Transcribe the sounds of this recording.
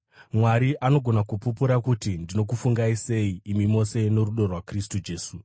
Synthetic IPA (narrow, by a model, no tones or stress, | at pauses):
mwaɾiʔano̞ɡʱo̞nakupupuɾakutindino̞k̬ufuŋɡaise̞iːmimo̞se̞no̞ɾuɗo̞rwakristud͡ʒe̞ːsu